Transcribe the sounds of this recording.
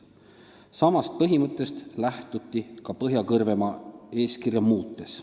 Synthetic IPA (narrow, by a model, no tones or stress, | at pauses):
sɑmɑst̪̚pɤɦimɤt̪ˑːe̞st̪læht̪ut̪ːˑikɑpɤɦjɑkɤrve̞mɑe̞ːskirjɑmuːt̪ːˑe̞s